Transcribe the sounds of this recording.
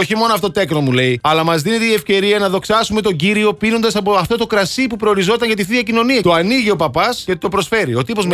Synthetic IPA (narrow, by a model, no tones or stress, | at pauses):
oçimo̞noɐft̪ot̪ekno̞mule̞iɐlɐmɐzðine̞t̪eiefce̞ɾiɐnɐðo̞ksɐsume̞t̪o̞ɟiɾio̞pino̞nd̪ɐsɐpoɐft̪o̞t̪o̞kɾɐsipupɾo̞oɾizo̞t̪ɐɲʝɐt̪iθiɐcino̞niɐt̪oɐniʝio̞pɐpɐscet̪o̞pɾo̞sfe̞ɾio̞t̪ipo̞zm